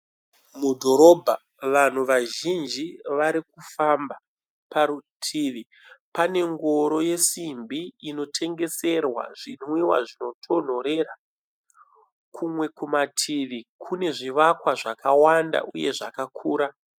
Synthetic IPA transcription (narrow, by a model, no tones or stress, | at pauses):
mudʱo̞ɾo̞bʱa | ʋan̤uʋaʒind͡ʒiʋaɾikufamba | paɾutʰiːʋi | pane̞ŋɡo̞ɾo̞je̞simbʱiino̞tʰe̞ŋɡe̞se̞rwa̰ʐ̥inwiwa̰ʐino̞tʰo̞n̤o̞ɾe̞ɾa | kʰumwe̞kumatʰiʋikʰune̞ʐiʋakwaʐakawanda̰ʔuje̞ʐakakʰuːɾa